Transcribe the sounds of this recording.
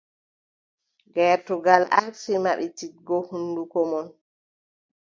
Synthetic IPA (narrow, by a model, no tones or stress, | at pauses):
ɡɛːɾtɔɡalaksimaɓitit̚ɡɔhunːdukɔmɔn